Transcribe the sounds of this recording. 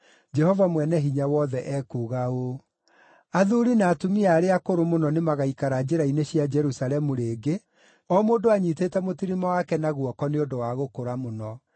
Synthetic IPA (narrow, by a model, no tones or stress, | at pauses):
d͡ʒɛhɔvamwɛnɛɦiɲawɔðɛʔɛkuɣao | aðuɾinaːtomiaːɾeakoɾomonɔnemaɣaikaɾad͡ʑeɾaineɕjad͡ʒɛɾusalɛmuɾeːɡe | ɔmoːndoaɲitetɛmotiɾimawakɛnaɣwɔkɔneondowaɣokoɾamonɔ